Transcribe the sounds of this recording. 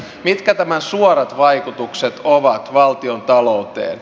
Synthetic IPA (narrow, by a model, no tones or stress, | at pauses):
mit̪kæt̪æmænsuoɾɑt̪ʋɑikut̪ukset̪oʋɑt̪ʋɑlt̪iont̪ɑlout̪ḛːn